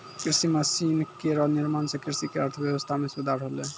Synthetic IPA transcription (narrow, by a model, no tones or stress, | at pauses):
kɾisimasinkeɾɔniɾmansekɾisikeɔɾt̪ʰəbjebɔst̪ʰamesud̪ʱaɾɦole